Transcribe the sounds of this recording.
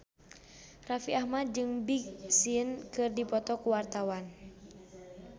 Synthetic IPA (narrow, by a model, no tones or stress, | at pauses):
rafiahmad̪̚d͡ʒɨŋbiksiənkɨrdipɔt̪ɔkuwart̪awan